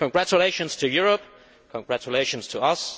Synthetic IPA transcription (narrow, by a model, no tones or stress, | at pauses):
kə̃nɡɹæt͡ʃəleɪʃə̃nz̥tʰɨjʊɹəp̚ | kʰə̃nɡɹæt͡ʃəleɪʃə̃nz̥tʰəʌs